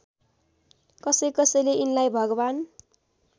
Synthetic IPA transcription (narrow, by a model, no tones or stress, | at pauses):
kʌsʌjkʌsʌjleinlajbʱʌɡʌban